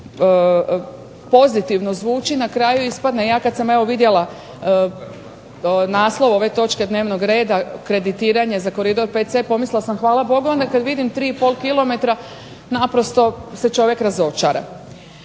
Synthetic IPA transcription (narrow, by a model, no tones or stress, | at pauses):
po̞zit̪iʋnozʋuːt͡ʃinakɾaːjuispad̪nejaːkad̪sameʋo̞ʋid̪je̞lˠa | naːslˠo̞ʋo̞ʋe̞t̪o̞t͡ʃked̪neːʋnoɡɾe̞ːd̪akɾe̞d̪it̪iːɾaɲe̞zako̞ɾid̪o̞ɾpet̪sepo̞misllasamxʋaːlabo̞ɡoond̪akad̪ʋid̪imt̪ɾiːipo̞lˠkilˠo̞me̞t̪ɾa | napɾo̞st̪o̞set͡ʃo̞ʋjekɾazo̞t͡ʃaɾa̰